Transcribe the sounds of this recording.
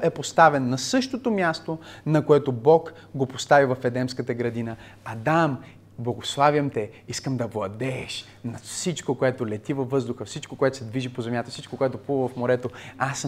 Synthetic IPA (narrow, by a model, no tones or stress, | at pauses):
ɛpost̪avɛnːɐsɤʃt̪ot̪omjast̪onɐkoɛt̪obɔk | ɡopost̪avivɐfɛd̪ɛmskət̪əɡɾɐd̪inə | ɐd̪am | blˠɐɡoslˠavjəmt̪ɛ | iskəmd̪ɐvlˠɐd̪ɛʃ | nɐfsit͡ʃkokoɛt̪olɛt̪ivɐvːɤzd̪ʊxəfsit͡ʃkokoɛt̪o̥sɛd̪viʒipozɛmjat̪ɐfsit͡ʃʃkokoɛt̪opuvəvɐfmoɾɛt̪oas